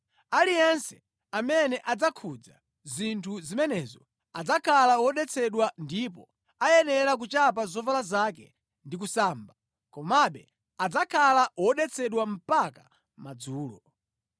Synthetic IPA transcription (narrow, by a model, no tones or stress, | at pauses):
alijɛnsɛ̥ | amɛnɛʔad͡zakʰud͡za | zintʰuzimɛnɛzɔ | ad͡zakʰalawɔɗɛt͡sʰɛɗwandip̬ɔ | ajɛnɛɾak̬ut͡ʃapazɔvalazakɛ̰ | ndik̬usaːmba | kɔmaɓɛ | ad͡zakʰalawɔɗɛt͡sʰɛɗwam̩paka | mad͡zuːlɔ